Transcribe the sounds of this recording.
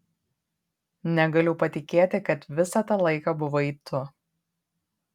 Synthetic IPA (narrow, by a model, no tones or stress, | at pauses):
nʲɛɡɐlʲʊpɐt̪ʲɪkʲeːt̪ʲɪkɐt̪ʋʲɪsɐt̪ɐlˠɐɪkɑbʊʋoːiːt̪ʊ